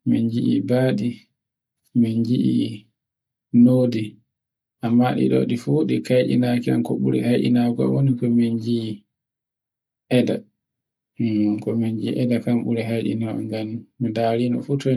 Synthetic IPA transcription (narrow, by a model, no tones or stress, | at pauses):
mind͡ʒiʔibaːɗi | mind͡ʒiʔḭ | nodi | ʔamːaɗḭɗɔ̰ɗifuɗikajɗḭnakia̰nkɔɓuɾɛ̰hajɗḭnaɡɔa̰wonikɔmind͡ʒi | ʔɛda | kɔmind͡ʒiʔɛdakamɓuɾɛɦajɗḭnaɔ̰ŋɡanmidaːɾiːnɔ̰futɔ